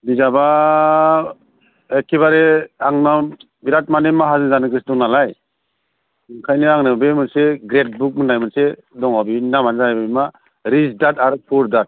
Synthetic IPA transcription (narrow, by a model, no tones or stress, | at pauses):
bizaba | ekʰeβaɾeaŋna | biɾat̚manemaɦazɯnzanɯɡɯsdɔŋnalaj | ɯŋkʰajnɯaŋnɯbemɯnseɡɾet̚buk̚mɯnajmɯnse | dɔŋabinamanzaababima | ɾisdataɾɯpʰuɾdat̚